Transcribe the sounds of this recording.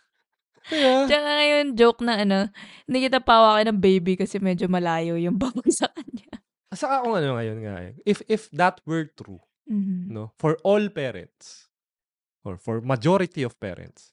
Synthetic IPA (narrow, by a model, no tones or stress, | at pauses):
ɐjat͡ʃɐkaŋɐjond͡ʒowk̚nɐɐno̞ | nɐkɪt̪ɐpaːwakɐnɐŋbejbikɐsɛmɛd͡ʒomɐlaːjojʊŋbabksɐkɐɲɲa | ɐsɐkakʊŋɐnoŋɐjonŋa̰j̰ʔɪfɪfd̪ɐt̪̚wɛɹt̪ɾṵ | m̩ːm̩nofɔɹʔɔlpɛːɾɛ̰̃nt̪s | ʔɔ̰ɹfɔɹmɐd͡ʒoɾɪt̪iɔv̥pɛ̰ːɾɛ̰̃nt̪s